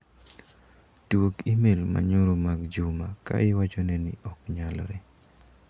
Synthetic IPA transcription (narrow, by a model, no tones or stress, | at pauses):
twokimelma̰ɲoɾomaɡd͡ʒʊmaka̰ɪwat͡ʃonɛnɪ̰ɔkɲalɔ̰ɾɛ